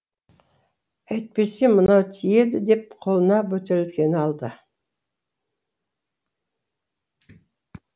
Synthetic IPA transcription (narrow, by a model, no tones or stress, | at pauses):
æjt̪̚pe̞se̞mənɑwt̪ʰije̞d̪ɪd̪e̞p̚qʰo̞lˠənɑbɵt̪eɾt̪kʲe̞nɪɑlˠd̪ə